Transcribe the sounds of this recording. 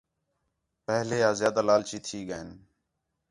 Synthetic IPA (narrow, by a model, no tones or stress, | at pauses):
pəɦleːaːzjaːd̪aːlaːlt͡ʃiːt̪ʰiːɡəeːn